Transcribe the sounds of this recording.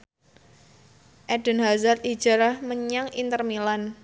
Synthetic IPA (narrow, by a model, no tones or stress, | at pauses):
ʔɛɖ̥ə̤nɦazat̪id̥ʒ̥a̤ɾahməɲaŋint̪ərmilan